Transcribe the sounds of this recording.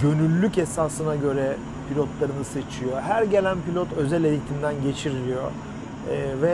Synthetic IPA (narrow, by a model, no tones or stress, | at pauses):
ɟø̞nylʲːycesaːsɯnaɟø̞ɾɛ | pʰilʲot̪lˠaɾɯnɯse̞t͡ʃʰijo̞ɦæɾɟe̞lʲænpilʲo̞t̪ø̞zælʲejit̪ʰimd̪ænɟe̞t͡ʃʰiɾilʲijo̞̰ | vɛ